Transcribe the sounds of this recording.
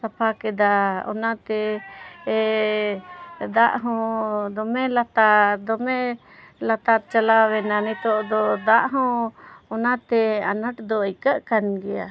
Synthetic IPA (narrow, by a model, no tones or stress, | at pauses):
sapʰakɛd̪aɔ̰nat̪ɛ | d̪aʔɦɔ̃d̪ɔmɛlat̪ad̪ɔmɛ | lat̪at̪̚t͡ʃalawɛnanit̪ɔʔd̪ɔd̪aʔɦɔ̃ɔnat̪ɛanəʈd̪ɔəjkəʔkanɡɛja̰